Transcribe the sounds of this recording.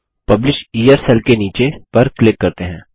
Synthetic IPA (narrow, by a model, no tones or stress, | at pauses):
pɐblɪʃiːjəɾsɛlkeniːt͡ʃepɐɾklɪkːɐɾt̪eɦɛ̃ː